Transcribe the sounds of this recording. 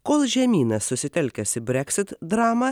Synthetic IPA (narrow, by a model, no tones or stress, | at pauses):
koːlˠʒʲɛmʲiːnɐsːʊsʲɪt̪ʲɛlʲkʲɛsʲɪbʲɾʲɛkʲsʲɪt̪d̪ɾɑːmɐ